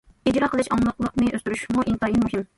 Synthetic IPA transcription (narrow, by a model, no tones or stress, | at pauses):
id͡ʒɾɑqʰəlˠɛʃɑŋlˠəqlˠəqnɨʔøst̪yɾyʃmuʔint̪ɑːjimuɦim